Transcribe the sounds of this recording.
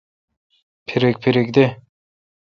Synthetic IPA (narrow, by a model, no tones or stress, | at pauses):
pʰeɾek̚ʲpʰeɾekd̪e